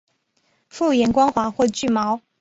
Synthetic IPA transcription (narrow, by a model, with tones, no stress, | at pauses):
fu˥˩jɛ˨˧˥nkwɑ˥ŋxwa˧˥xwɔ˥˧t͡ɕy˥˩mɑ˧˥˦ʊ